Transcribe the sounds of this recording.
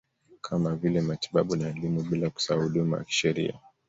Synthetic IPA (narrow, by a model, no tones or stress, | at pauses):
kʰamavilɛmati̥ɓaɓunaːlimuɓilaku̥saahuɗuma̰ja̰ki̥ʃɛɾḭa̰